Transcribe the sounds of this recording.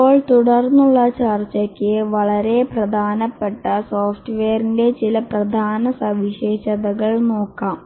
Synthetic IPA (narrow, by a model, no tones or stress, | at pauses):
oːɭt̪uɽɐrnːuɭːɐt͡ɕɐrt͡ɕːɐkʲːɨʋɐɭɐɾe̞prɐd̪ʱaːnɐpːeʈːɐsoːfʈʋejɐrinde̞t͡ɕilɐprɐd̪ʱaːnɐsɐʋiɕe̞ːɕɐðɐɣɐɭno̞ːkːaːm